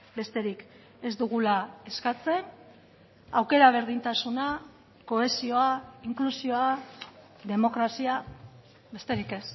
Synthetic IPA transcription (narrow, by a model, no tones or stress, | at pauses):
be̞st̪e̞ɾik | e̞zd̪uɣulae̞skat͡se̞n | awke̞ɾaβ̞e̞ɾðint̪asuna | ko̞e̞sio̞aiŋklusio̞a | ðe̞mo̞kɾasia | be̞st̪e̞ɾike̞s